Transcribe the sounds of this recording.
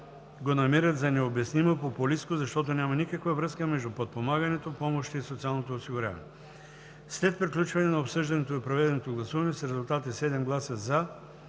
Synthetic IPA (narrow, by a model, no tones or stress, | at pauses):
ɡonɐmiɾət̪zɐnɛobɛsnimopopʊliskozɐʃt̪ɔt̪onʲamɐnikəkvavɾɤskəmɛʒd̪upot̪̚pomaɡɐnɛt̪opɔmoʃt̪iːsot̪sialˠnot̪oːsiɡʊɾʲa̰vɐ̰nɛɛ | slɛt̪̚pɾiklʲut͡ʃvɐnɛnɐopsɤʒd̪ɐnɛt̪oipɾovɛd̪ɛnot̪oɡlˠɐsuvɐnɛsɾɛzʊlˠt̪at̪isɛd̪ɛmɡlˠasəza